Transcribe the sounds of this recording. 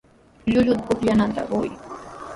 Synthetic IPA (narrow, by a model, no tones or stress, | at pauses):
ʎʊʎʊt̪̚kʊχjanant̪a̰ɢʊj